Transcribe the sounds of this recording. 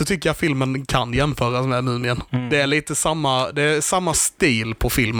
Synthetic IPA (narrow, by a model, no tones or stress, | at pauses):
ɔt̪ʰʏkːəɾjat̪fɪlmənkʰanjɛmfœːɾasmɛːmʉ̟ːnɪənd̪ɛæɭiːt̪əsamːad̪ɛːsamːast̪iːlpʰɔfɪlm